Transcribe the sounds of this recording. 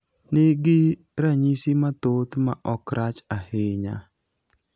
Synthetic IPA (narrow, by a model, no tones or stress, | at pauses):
nɪɡɪ | ɾaɲisimat̪ot̪ma̰ʔɔkɾat͡ʃaheɲa̰